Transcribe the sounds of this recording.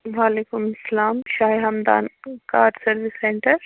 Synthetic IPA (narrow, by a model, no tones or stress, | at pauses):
ʋaːleːkʊmɐsːɐlaːmʃaːɦiɦɐmd̪a̰ːnkaːɖsɐɾʋɪsːẽːɳʈəɾ